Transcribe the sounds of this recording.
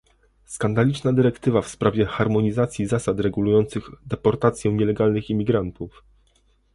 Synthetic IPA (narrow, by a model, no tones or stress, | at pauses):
skand̪alʲit͡ʂnad̪ɘɾɛkt̪ɘvafspɾavʲjɛxaɾmɔɲizat̪sʲjizasat̪ɾɛɡulujɔnt̪sɘɣd̪ɛpɔɾt̪at̪sʲjɛ̃w̃ɲɛlɛɡalnɘximʲiɡɾant̪uf